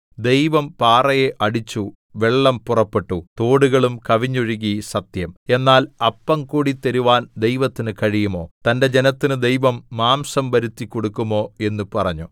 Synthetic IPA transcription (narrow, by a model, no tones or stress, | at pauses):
d̪e̞jʋɐmpaːrɐjeʔɐɽit͡ɕːu | ʋe̞ɭːɐmpurɐpːe̞ʈːut̪o̞ːɽuɣɐɭumkɐʋiɲːuɻiɣisɐt̪jɐme̞nːaːlɐpːɐmkuːɽit̪eɾuʋaːnd̪ejʋɐt̪ːinɨkɐɻijumo̞ːt̪ɐnde̞d͡ʑenɐt̪ːinɨd̪e̞jʋɐmːaːmsɐmʋɐɾut̪ːikːo̞ɽukːumo̞ːe̞nːupɐrɐɲːu